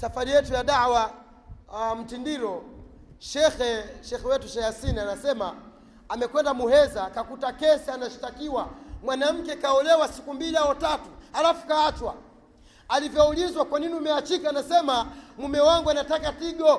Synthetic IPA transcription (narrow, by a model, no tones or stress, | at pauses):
safaɾijɛtujaɗawa | m̩tindiɾɔ | ʃɛxɛʃɛxɛwɛtuʃajasinianasɛmaː | mɛkwɛndamuhɛzakakutakɛsɛanaʃi̥takiwamwanam̩kɛkaɔlɛwasikumbiliaɔtatuhalafu̥kaːt͡ʃwa | alivjɔulizwakwaniniumɛat͡ʃikaːnasɛmamumɛwaŋɡuanatakatiɡɔ